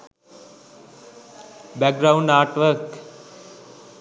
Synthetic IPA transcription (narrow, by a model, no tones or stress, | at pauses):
bɛk̚ɡɾaũɳɖaɾʈʋəɾk